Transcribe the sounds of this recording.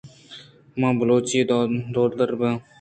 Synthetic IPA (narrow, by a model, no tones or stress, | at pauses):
mãːbəloːt͡ʃiːd̪oːd̪d̪əɾbə